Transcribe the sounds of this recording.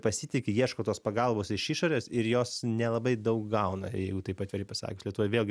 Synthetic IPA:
pɐsʲiːt̪ʲɪkʲɪjiɛʃkoːt̪oːspɐɡɐlˠboːsɪʃiʃoːɾʲeːsɪɾjoːsnʲɛlˠɐbɐɪd̪ɐʊk̚ɡɐʊnɐ̰jɛɪɡʊt̪ɐɪpɐt̪ʋʲɛɾʲɐɪpɐsɑ̰ːkʲʊːslʲɛt̪ʋoːjʋʲeːlˠʲɡʲɪ

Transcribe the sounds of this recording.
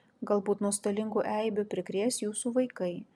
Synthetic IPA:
ɡɐlˠbuːt̪nuɔst̪ɐlʲɪŋɡoːʔɛɪbʲʊpʲɾʲɪkɾʲeːsjuːsuːʋɐɪkɐɪ

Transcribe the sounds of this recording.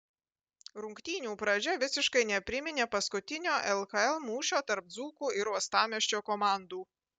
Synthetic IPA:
ɾʊŋkt̪ʲiːnʲuːpɾɐd͡ʒʲɛʋʲɪsʲɪʃkɐɪnʲɛpʲɾʲɪmʲɪnʲeːpɐskʊt̪ʲɪnʲoːʔɛlˠkɐɛlˠmuːʃʲoːt̪ɐɾp̚d̪zuːkuːɪɾuɔst̪ɑːmʲɛʃʲt͡ʃʲoːkɔmɑˑnd̪uː

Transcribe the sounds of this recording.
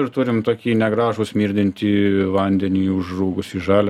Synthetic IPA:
ɪrt̪ʊɾʲɪmt̪oːkʲiːnʲɛɡɾɑːʒusʲmʲiːɾʲd̪ʲɪnʲt̪ʲiʋɐnʲd̪ʲɛnʲiːʊʒruːɡʊsiʒɑːlʲ

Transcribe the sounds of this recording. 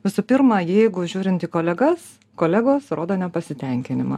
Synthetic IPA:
ʋʲɪsʊpʲɪɾmɑːjɛɪɡʊʒʲuːɾʲɪnt̪iːkoːlʲɛɡɐs | koːlʲæɡoːsɾoːd̪oːnʲɛpɐsʲɪt̪ʲɛŋʲkʲɪnʲɪmɑ̰ː

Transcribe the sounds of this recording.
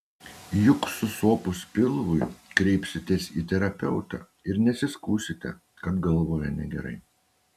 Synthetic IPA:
jʊksʊsoːpʊspʲɪlˠʋʊɪkɾʲɛɪpʲsʲɪt̪ʲeːsiːt̪ʲɛɾɐpʲɛʊt̪ɑ̰ | ɪɾnʲɛsʲɪskuːsʲɪt̪ʲɛ̰ | kɐpɡɐlˠʋoːjɛnʲɛɡʲɛɾɐ̰ɪ

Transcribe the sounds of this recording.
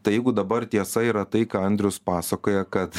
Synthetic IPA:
t̪ɐɪjɛɪɡʊd̪ɐbɐɾt̪ʲiɛsɐiːɾɐt̪ɐɪkaːɐnʲd̪ʲɾʲʊspɑːsɐkoːjɛkɐt̪

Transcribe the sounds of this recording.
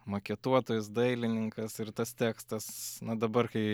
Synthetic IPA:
mokʲɛt̪uɔt̪oːjʊs̬d̪ɐɪlʲɪnʲɪŋkɐsɪrt̪ɐst̪ʲæːkst̪ɐsnɐd̪ɐbɐrkɐɪ

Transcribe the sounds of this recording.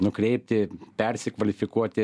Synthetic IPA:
nʊkɾʲɛɪpʲt̪ʲɪpʲɛɾʲsʲɪkʋɐlʲɪfʲɪkuɔt̪ʲɪ

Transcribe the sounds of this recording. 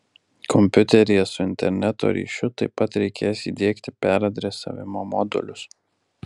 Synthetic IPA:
kʰɔmʲpʲʊt̪ʲɛɾʲɪjɛsʊɪnʲt̪ʲɛɾʲnʲɛt̪o̰ːɾʲḭːʃʲʊt̪ɐɪpːɐt̪ɾʲɛɪkʲeːjsiːd̪ʲiːkt̪ʲɪpʲæɾɐd̪ʲɾʲɛsɐ̰ːʋʲɪmoːmɔ̰d̪ʊ̰lʲʊs

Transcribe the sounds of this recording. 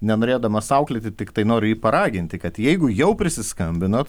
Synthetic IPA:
nʲɛnoːɾʲeːd̪ɐmɐsɐʊklʲɪt̪ʲɪt̪ʲɪkt̪ɐɪnoːɾʲʊiːpɐɾɑːɡʲɪnʲt̪ʲɪkɐt̪jɛɪɡʊjɛʊpʲɾʲɪsʲɪskɐmʲbʲɪnot̪

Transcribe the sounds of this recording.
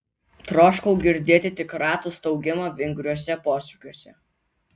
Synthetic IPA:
t̪ɾoːʃkɔʊɡʲɪɾʲd̪ʲeːt̪ʲɪt̪ʲɪkɾɑːt̪uːˑst̪ɐʊɡʲɪmɑʋʲɪŋɡɾʲuɔsʲɛpoːsʲukʲuɔsʲɛ

